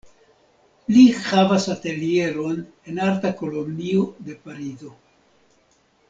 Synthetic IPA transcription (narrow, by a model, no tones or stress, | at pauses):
lihavasate̞lie̞ɾo̞n | e̞naɾtako̞lo̞mniode̞paɾizo̞